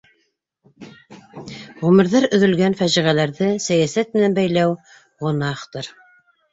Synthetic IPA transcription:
ʁɵmɘ̆ɾðɑɾɵ̆ðɵ̆lɡænfæʒiʁælæɾðɘsæjæsæt̪̚mɘ̆nænbæjlæw | ʁŏnɑχt̪ɤɾ

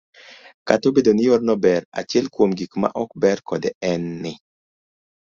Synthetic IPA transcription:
katobedonɪjɔrnɔbɛɾa̰t͡ʃɪɛlkwomɡikma̰ʔɔk̚bɛrkɔdɛɛnːɪ

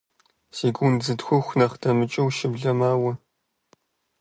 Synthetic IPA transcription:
siːɡʷunzɨtxʷʊxʷnɐχdɐmɨt͡ʃʼɐwʃɪbɮɐmaːwɐ

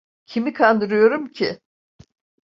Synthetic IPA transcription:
cʰimikʰand̪ɯɾɯjo̞ɾumcʰi

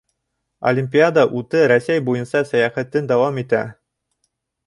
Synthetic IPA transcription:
ɐ̰lʲimʲpʲiad̪ɑʔut̪ɤɾæsæjbujɤnsɑsæjæχæt̪ːɘnd̪ɑwɑmit̪æ

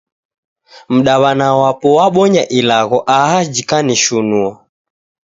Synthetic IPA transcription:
m̩ɗaβanawapɔwaɓɔɲaʔilaɣɔʔaɦad͡ʒikaniʃunua

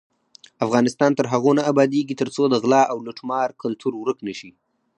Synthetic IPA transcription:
afɣɑnɪst̪ɑnt̪əɾɦaɣonaːbɑd̪eɡit̪əɾt͡sod̪əɣlɑʔawlʊʈmɑɾkalt̪ʰuɾwɾəknəʃi

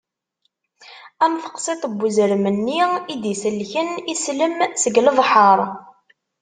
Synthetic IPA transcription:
æmθə̥qsˤit̪ˤəbːuzəɾmənːiid̪isəlːçənisləmsəɡləðˤħəɾˤ

